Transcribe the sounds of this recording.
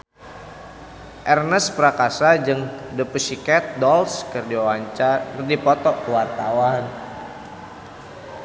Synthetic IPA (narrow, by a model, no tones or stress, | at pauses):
ʔɛrnəspəɾakasad͡ʒɨŋdəpusikɛt̪̚dɔlskərdiawaɲt͡ʃardipɔt̪ɔwart̪awan